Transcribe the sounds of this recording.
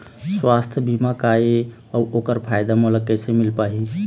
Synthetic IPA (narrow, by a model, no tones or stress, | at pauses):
swast̪ʰjbʱimakae | əokəɾpʰajd̪amoləkːəjsemilpaɦi